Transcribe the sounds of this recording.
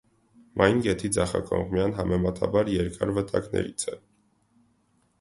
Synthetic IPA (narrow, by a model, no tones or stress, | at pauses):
mʔɑjnɡɛt̪ʰid͡zɑχɑkɔŋkmijɑnɦɑmɛmɑt̪ʰɑ̰bɑɾjɛɾkɑɾvət̪ʰɑknɛ̰ɾit͡sʰɛ